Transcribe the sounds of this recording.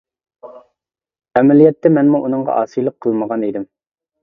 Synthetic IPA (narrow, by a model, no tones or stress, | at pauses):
æmɛlijɛt̪ːɛmɛnmuʔunɨŋʁɑ̰ʔɑ̰ːsijlˠəqʰːəlˠməʁɑnid̪ɪm